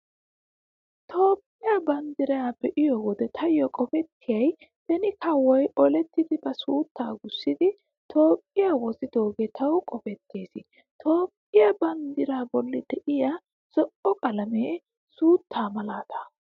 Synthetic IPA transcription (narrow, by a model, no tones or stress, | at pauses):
t̪ʰo̞ːpʼːɪjabɐnd̪ɪɾɐabɛʔɪjɔwɔd̪ɛt̪ʰɐjɔkʼɔpɛt̪ʰːɪjɐj | t̪ɐnɪkʰɐwːɔjɔlɛt̪ːɪd̪ɪbɐsuːt̪ʰːaːɡʊsːɪd̪ɪ | t̪ʰo̞ːpʼːɪjawɔsɪd̪o̞ːɡeːt̪ɐwkʼɔpɛt̪ʰːeːsɪ | t̪ʰo̞ːpʼːɪjɐbɐnd̪ɪɾaːbɔlːɪd̪̥ɛʔɪja | sɔʔɔkʼɐlɐmeː | suːt̪ʰːaːmɐlaːt̪ɐ̥